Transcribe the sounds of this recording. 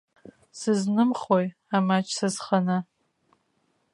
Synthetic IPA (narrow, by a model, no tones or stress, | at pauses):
sɨznɨmχoj | aːmaːt͡ʃʼsɨzχɐnɐ